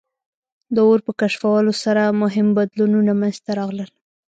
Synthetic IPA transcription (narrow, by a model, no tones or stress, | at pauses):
d̪əoɾpəkaʃfawalosaɾamʊɦɪmbad̪lununamanzt̪aɾɑɣləl